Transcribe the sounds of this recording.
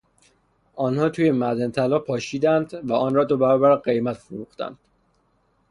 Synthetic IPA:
ʔɒːnhɒːt̪ʰuːjemæd̪ent̪ʰælɒːpʰɒːʃiːd̪ænd̪væʔɒːnɾɒːd̪obæɾɒːbæɾɢe̞jmæt̪fuɾuːxt̪æ̰nd̪̥

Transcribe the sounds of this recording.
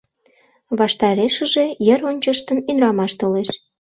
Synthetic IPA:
βɑʃt̪ɑɾeʃə̆ʒejəɾonʲt͡ɕəʃt̪ənynrɑmɑʃt̪oleʃ

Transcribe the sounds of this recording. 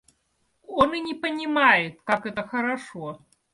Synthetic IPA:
ɔnɨnʲɛpɐnʲimajut̪kakɛt̪ɐxɐɾaʂɔ

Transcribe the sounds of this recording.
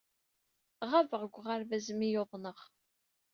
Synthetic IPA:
ʁavəʁɡʷʁaɾvæzmijoðˤnəʁ

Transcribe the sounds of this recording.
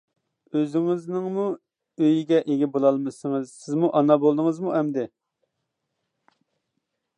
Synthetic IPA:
øzɪŋɪznɪŋmu | øjiɡʲɛʔeɡʲɪbolˠɑlˠmɨsɨŋɨzsɪzmuʔɑnɑbolˠd̪ɨŋɨzmuɛmd̪ɪ

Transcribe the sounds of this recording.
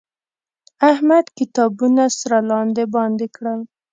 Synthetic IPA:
ahmad̪kɪt̪ɑbunasɾalɑnd̪ebɑnd̪ɪkɽəl

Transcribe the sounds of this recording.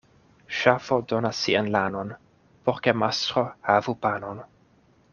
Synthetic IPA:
ʃafodonasːḭanlanon | poɾkemast̪ɾohavupanon

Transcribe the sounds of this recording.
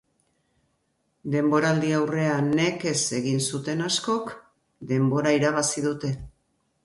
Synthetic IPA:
d̪e̞mbo̞ɾald̪iawre̞ane̞ke̞se̞ɣinsut̪e̞nasko̞k | d̪e̞mbo̞ɾaiɾaβ̞asiðut̪e̞

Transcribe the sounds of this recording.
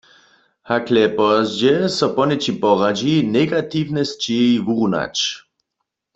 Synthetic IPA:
haklɛpɔzd͡ʒɛsɔpɔnɛt͡ʃipɔʁad͡ʒinɛɡat̪iwnɛst͡ʃiʋuʁna̰t͡ʃ

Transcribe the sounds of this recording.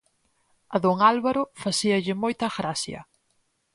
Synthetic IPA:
ɐðoŋalβaɾofasiɐʎɪmojt̪ɐɣɾasjɐ̰

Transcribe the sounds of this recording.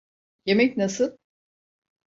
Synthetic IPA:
jemɛcnasɯlˠ

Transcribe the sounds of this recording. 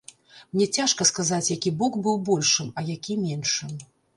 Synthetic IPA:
mnʲɛt͡sʲaʂkɐskazat͡sʲjakʲibɔkbɨwbɔlʲʂɨmɐjakʲimʲɛnʂɨm

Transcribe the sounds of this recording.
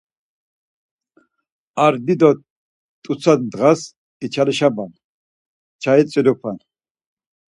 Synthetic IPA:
aɾd̪id̪ɔ | t̪ʼut͡sʰad̪d̪ʁas | d̪̥it͡ʃʰaliʃaban | t͡ʃʰait͡sʼid̪upʰan

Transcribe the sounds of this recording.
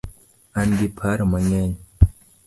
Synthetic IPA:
anɡipʰaɾomaŋeɲ

